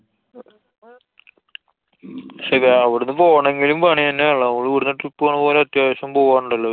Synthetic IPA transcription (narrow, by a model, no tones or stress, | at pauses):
ʂeʋɐʋiɽunːɨpoːɐɳeŋɡilumpɐɳiɐnːeɐɭːɐɐŋɐɭuʋiɽunːɐʈripːuaːɳɨpoːleɐt̪jaːʋɐɕjɐmpoːaːɳːuɳɖɐlːo